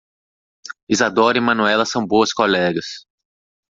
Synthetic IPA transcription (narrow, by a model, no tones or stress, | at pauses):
izad̪oɾɪmɐ̃nuɛlɐsɐ̃w̃boɐskolɛɡɐs